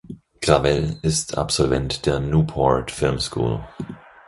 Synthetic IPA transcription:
kʁavɛlɪstʰa̰pz̥ɔlvɛntd̥eːɐnuːpʰɔɹtfɪlmskʰṵːl

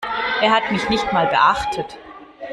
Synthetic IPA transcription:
ʔeːɐɦatmɪçnɪçtmaːlbə̰ʔaχtʰət

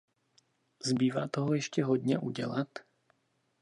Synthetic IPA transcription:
zbiːʋaːt̪ɔɦɔjɛʃcɛɦɔd̪ɲɛʔuɟɛlat̪

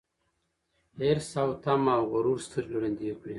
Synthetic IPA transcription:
eɾsawt̪amawɣuɾuɾst̪ʰəɾluɾend̪ikui

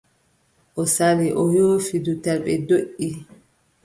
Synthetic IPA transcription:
ʔɔsaliʔɔjoːfidutalɓɛ̰doʔi

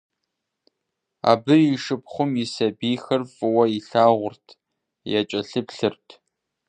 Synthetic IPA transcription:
a̰ːbɨjiʂɨpχʷʊmjɪsɐbiːxɐrfɨwɐiɬaːʁʷʊrtʰ | jɛt͡ʃʼɐɬɨpɬɨrtʰ

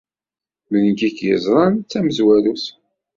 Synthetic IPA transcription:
mənkikjə̰zɾˤɑnt͡sːæməzwælus

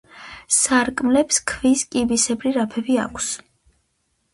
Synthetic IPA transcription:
saɾkʼmlɛpskʰviskʼibisɛbɾiɾapʰɛbia̰kʰs

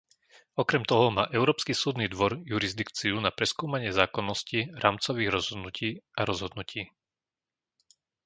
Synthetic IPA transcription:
ɔkɾɛmt̪ɔɦɔma̰ːʔɛʊɾɔːpskisuːd̪nid̪ʋɔɾjuɾizd̪ikt͡siunapɾɛskuːmaɲɪɛzaːkɔnːɔsciɾaːmt͡sɔʋiːɣɾɔzɦɔd̪nucʰiːaɾɔzɦɔd̪nucʰiː

